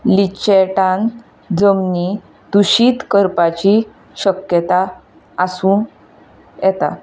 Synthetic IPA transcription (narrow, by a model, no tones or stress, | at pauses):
lit͡ɕeʈãn | d͡zəmni | d̪uɕiːt̪kəɾpat͡ɕi | ɕəkjət̪aː | sũː | jɛt̪a̰